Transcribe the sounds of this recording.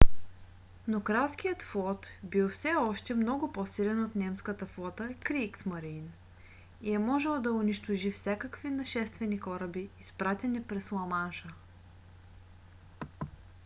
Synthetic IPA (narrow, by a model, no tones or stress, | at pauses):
nokɾaskijət̪flˠɔt̪bilˠfsɛɔʃt̪ɛmnɔɡʊpɔsilɛnot̪nɛmskət̪əflˠɔt̪əkɾiksmɐɾin | iɛmɔʒɛlˠd̪ɐʊniʃt̪oʒifsʲakəkvinɐʃɛst̪vɛnikɔɾəbiːspɾat̪ɛnipɾɛslˠɐmanʃə